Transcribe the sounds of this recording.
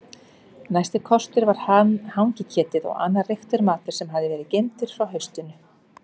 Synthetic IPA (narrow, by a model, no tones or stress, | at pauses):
najst̪ɪkʰɔst̪ʏɾvaɾ̥hanhawŋcɪcʰɛːt̪ɪðɔ̰ɣa̰ːnːarext̪ʏɾmaːt̪ɪɾ̥sɛmɦaðɪvɛːɾɪcejmt̪ɪɾ̥fɾawɦœɥst̪ɪnʏ